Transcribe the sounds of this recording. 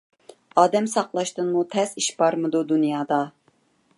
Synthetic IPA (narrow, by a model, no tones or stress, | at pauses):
ɑːd̪ɛmsɑqlˠɑʃt̪ɨnmut̪ʰɛz̥iʃb̥ɑɾmɨd̪ud̪unjɑːd̪ɑ